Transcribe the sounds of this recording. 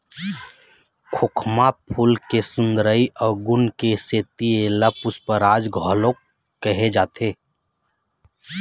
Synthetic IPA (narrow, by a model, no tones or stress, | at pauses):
kʰokʰmapʰulkesʊ̃nd̪ɾəiʔɔːɾɡʊnkeseːt̪ieləpʊspəɾaːd͡ʒɡʱɔlok | kːəɦed͡ʒaːt̪ʰeː